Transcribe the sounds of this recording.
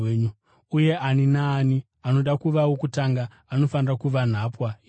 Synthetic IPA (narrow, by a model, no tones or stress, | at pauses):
ɲu | uje̞ʔaninaːni | ano̞ɗakuʋawokutaŋɡaː | no̞fanirakuʋan̤aːpwai